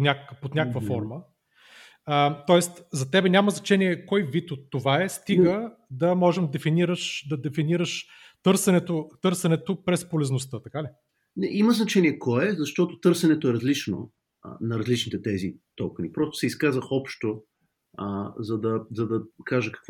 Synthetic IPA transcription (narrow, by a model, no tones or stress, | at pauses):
nʲakkpot̪nʲakəkvəfɔɾmə | ət̪ɔɛst̪zɐt̪ɛbɛnʲaməznɐt͡ʃɛniɛkɔjvit̪ot̪ːovaɛst̪iə | d̪ɐmɔʒɛmd̪ɛfiniɾəʃd̪ɐd̪ɛfiniɾəʃ | t̪ɤɾsɛnɛt̪ot̪ɤɾsɛnɛt̪opɾɛspolɛznost̪ət̪ɐkali | nɛʔiməznɐt͡ʃɛnʲiɛkɔɛzɐʃt̪ɔt̪ot̪ɤɾsɛnɛt̪oɛɾɐzlit͡ʃno̰ | nɐɾɐzlit͡ʃnit̪ɛt̪ɛzit̪ɔlkənipɾɔst̪o̥sɛiskazəxɔpʃt̪o | əzɐd̪ɐzɐd̪ɐkaʒəkɐ̥kv